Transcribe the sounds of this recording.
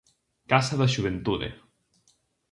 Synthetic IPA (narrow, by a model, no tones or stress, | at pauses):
kasaðeʒuβ̞ent̪uðḛ